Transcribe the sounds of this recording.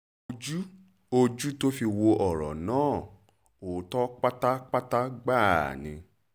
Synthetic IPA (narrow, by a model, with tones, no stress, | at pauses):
o˧d͡ʒu˦ | o˧d͡ʒu˦to˦fi˧wo˧ʔɔ˨ɾɔ̰˨nãː˨˦˨ | o˨˦tɔ˦k͡pa˦ta˦k͡pa˦ta˦ɡ͡ba˦˨a̰˨nĩ˧